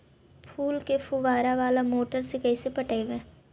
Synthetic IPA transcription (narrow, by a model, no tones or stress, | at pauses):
pʰuːlkepʰuʋaːɾaʋaːlamoːʈəɾsekɛisepəʈaeʋẽː